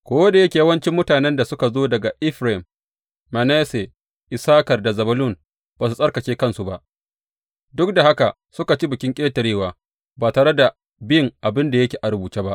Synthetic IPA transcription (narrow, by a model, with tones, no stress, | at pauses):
kʷoː˦wɐ˦de˨jɐ˦kʲe˨ja˦wɐ˦nt͡ʃɪ˦mːʊ˦taː˨nɛ˦nda˨sʊ˦ka˨zoː˦dɐ˨ɡa˨ʔɪ˦ɸɾe˨ɪ˨mː | ɐ˨nɛ˦se˨ | ʔɪ˨saː˦kɐ˨rda˨zɐ˨bɐ˦lʊ˦˨n | b̥aː˨s̬u˨sʼɐ˦rkɐ˨t͡ʃeː˦kɐ˦nsu˨ba˦ʔ | dʊ˦k̚da˨ha˦ka˨ | sʊ˦ka˨t͡ʃi˦bʊ˨kʲɪ˦ŋkʲʼeː˦tɐ˨ɽeː˦waː˨ | baː˨taː˨ɾe˦da˨ | bɪ˦˨ŋʔa˨bɪ˦nda˨jɐ˦kʲeː˨ʔa˨ɾʊ˨buː˨t͡ʃeː˦ba˦ʔ